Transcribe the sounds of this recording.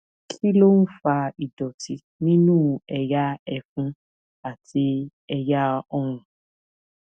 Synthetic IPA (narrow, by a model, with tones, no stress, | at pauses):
kʰi˦lo˦n̩˦fa˧i˨dɔ˨ti˧ | nĩ˦nũː˦ɛ˧ja˦ɛ˧fũ˦ | a˦˨tʰi˧ | ɛ˧ja˦ɔ˦˨ɾ̃ũ˨